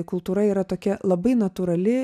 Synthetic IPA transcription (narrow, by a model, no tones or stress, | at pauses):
kʊlˠt̪uːɾɐiːɾɐt̪oːkʲɛlˠɐbɐɪnɐt̪uːɾɐlʲɪ